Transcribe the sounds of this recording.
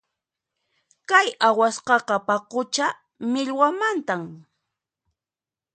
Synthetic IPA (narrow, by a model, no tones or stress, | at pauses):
kajawasqɑqɑpaqʊt͡ʃa | mɪʎwamant̪am